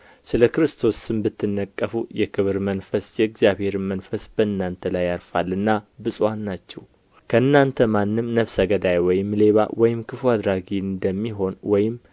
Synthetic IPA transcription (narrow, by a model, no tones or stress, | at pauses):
sɨləkɨɾɨst̪ʰo̞sːɨmbɨt̪ʰːɨnːəkʼːəfujɛkʰɨβɨɾmənfəsjɛɨɡzjaβhe̞ɾmənfəsbəɨnːant̪ʰəlajaɾfalːɨnːabɨsʼwanːat͡ʃːɛw | kʰəɨnːant̪ʰəmanːɨmnəβsəɡəd̪ajwɔjɪmːle̞βa̰wɔjɪmkʰɨfuad̪ɾaɡiɨnd̪əmːiɦo̞nwɔjɪm